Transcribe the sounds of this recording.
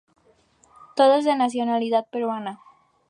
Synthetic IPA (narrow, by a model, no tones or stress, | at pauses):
t̪oðozðenas̬jonaliðat̪̚peɾwana